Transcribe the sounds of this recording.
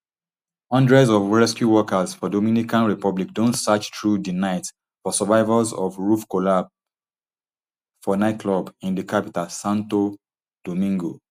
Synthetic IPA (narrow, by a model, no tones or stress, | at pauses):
ɔ̃ndɹɛzɔvɹɛskjuwɔkazfɔdomĩnikãnɹipɔblikdõntsat͡ʃtɹudinaɪt | fɔsəvaɪvəzɔvɹufkolab | fɔnaɪt̚kʰlɔbĩndikʰapitalsãnto | d̥omĩŋɡo